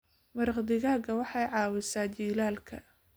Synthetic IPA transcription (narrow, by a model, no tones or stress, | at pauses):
mɐɾqd̪ɪɣaːɣɐwɑħɑjʕɑːwɪsaːd͡ʒiːlaːlkʰɐ̰